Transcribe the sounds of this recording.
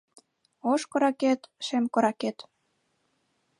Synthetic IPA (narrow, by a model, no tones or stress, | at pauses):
oʃkŏɾɑket̪ʃemkŏɾɑket̪